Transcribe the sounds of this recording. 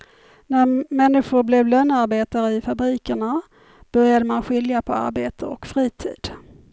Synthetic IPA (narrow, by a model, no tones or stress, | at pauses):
næɾmɛnːɪɧʊɾblɛvlœnːaɾbeːt̪aɾəɪfabɾiːkəɳa | b̥œɾjad̪əmanɧɪljapʰɔa̰ɾbeːt̪ʰəɔ̰kfɾiːt̪ʰḭːd̪̥